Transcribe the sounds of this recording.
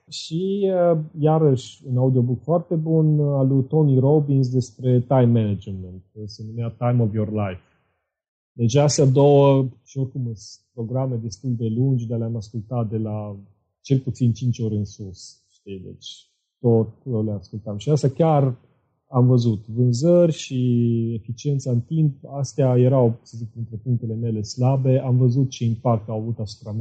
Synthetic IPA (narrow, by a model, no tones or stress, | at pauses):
ʃiəjaɾəʃʲunaud̪io̞buk̚t̪foart̪e̞bunalut̪o̞niɾobins̬d̪e̞spɾe̞t̪ajmːenad͡ʒement̪̚senumeat̪ajmovjorlajf | d̪e̞t͡ʃʲasad̪owəʃiorkumɨspɾo̞ɡɾamed̪e̞st̪uld̪e̞lund͡ʒd̪aleamaskult̪at̪̚d̪e̞la | t͡ʃe̞lput̪sint͡ʃint͡ʃo̞ɾʲɨnsus | ʃt̪ijd̪e̞̰t͡ʃʲ | t̪o̞t̪̚o̞le̞askult̪amʃiast̪akʲar | amvəzut̪vɨnzərʲʃie̞fit͡ʃie̞nt̪saɨnt̪impast̪eaje̞ɾawt͡s̪səzik̚pɾint̪ɾe̞puŋkt̪e̞le̞me̞le̞slabe̞ʔamvəzut̪̚t͡ʃe̞impak̚t̪awavut̪asu̥pɾam